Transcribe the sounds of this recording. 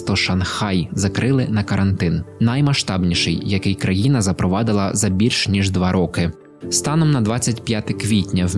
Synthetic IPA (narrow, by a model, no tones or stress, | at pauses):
t̪ɔʃɐnxɑjzɐkɾʔɪlˠɪnɐkɐɾʔɐnt̪ɪnnɐjmɐʃt̪ɑbnʲiʃɪjjɐkɪjkɾɐjinɐzɐpɾɔʋɑd̪ɪlˠɐzɐbʲilʲʃnʲiʒd̪ʋɑɾʔɔkɪ | st̪ɑnɔmnɐd̪ʋɑt͡sʲːɐtʲpʲjat̪ɪkʋʲitʲnʲɐw